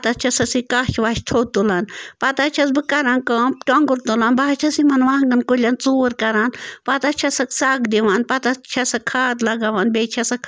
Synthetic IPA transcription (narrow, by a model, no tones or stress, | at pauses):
pt̪ɐt͡ʃʰɐsɐsikaːʃʋaːʃt̪ʰoːt̪ulanpɐt̪ɐt͡ʃʰɐsbɨkɐɾaːnkɐ̃ːmʈoŋɡuɾt̪ulanbaːt͡ʃʰɐsimɐnʋaːŋɡɐnkolʲɐnt͡suːɾkɐɾaːnpɐt̪ɐt͡ʃʰɐsɐksaːɡd̪iʋanpɐt̪ɐt͡ʃʰɐsɐkʰːaːt̪lɐɡaʋanbeːt͡ʃʰɐsɐkʰ